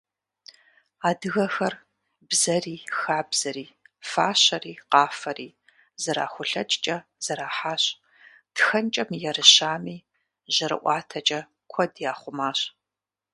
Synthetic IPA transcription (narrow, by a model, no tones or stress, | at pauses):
aːdɨɣɐxɐr | bzɐriːxaːbz̥ɐɾiːfaːɕɐriːqɑːfɐriː | zɐɾa̰ːxʷʊɬɐt͡ʃʼt͡ʃʼɐz̥ɐɾaːħaːɕ | d̥xɐnt͡ʃʼɐmjɛɾɨɕaːmiː | ʒɐɾɨ̰ʔʷɑːtʰɐt͡ʃʼɐ | kʷʰɔdjaːχʷʊmaːɕ